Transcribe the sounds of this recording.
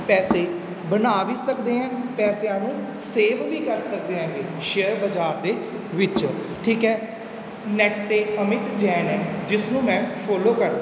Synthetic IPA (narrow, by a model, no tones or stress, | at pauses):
pɛːseː | bənaːʋiːsəkd̪eːɛ̃ːpɛːseãːnũːseːʋʋiːkəɾsək̚d̪eːãːɡeːʃeəɾbəd͡ʒaːɾd̪eː | ʋɪt͡ʃ | ʈʰiːkɦɛː | nɛʈt̪eːəmɪt̪d͡ʒɛːnɛːd͡ʒɪsnũːmɛ̃ːpʰoːloːkəɾ